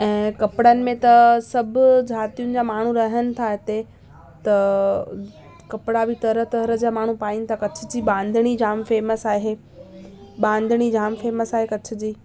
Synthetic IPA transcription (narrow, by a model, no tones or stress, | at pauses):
ɛ̃ːkɐpɪɽənɪ̆mẽt̪ɐsɐbʱʊd͡ʑʱaːt̪ijʊ̃nɪ̆d͡ʑaːmaːɳ̤ũɾɐɦənɪ̆t̪ʰaɦɪt̪e | t̪ɐ | kɐpɪɽabɪt̪ɐɾət̪ɐɾə̆d͡ʑaːmaːɳ̤upaːinɪ̆t̪ʰakɐt͡ɕʰɪ̥̆d͡ʑiːɓãːnd̪ʱəɽ̃id͡ʑʱaːmfeːməsaːɦeː | ɓãːnd̪ʱɽ̃id͡ʑʱaːmfeːməsaːɦekɐt͡ɕʰɪ̆d͡ʑiː